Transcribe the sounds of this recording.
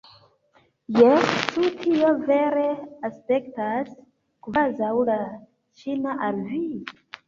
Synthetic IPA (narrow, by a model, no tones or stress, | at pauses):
jet͡ʃutʰio̞ve̞ɾe̞aspe̞ktas | kvazawla | t͡ʃinaʔalvi